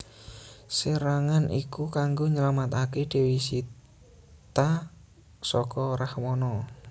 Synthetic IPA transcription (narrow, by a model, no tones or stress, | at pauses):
səɾaŋanʔḭkukaŋɡoɲəlamat̪aked̥e̤wisi | t̪a | sɔkɔrahmɔnɔ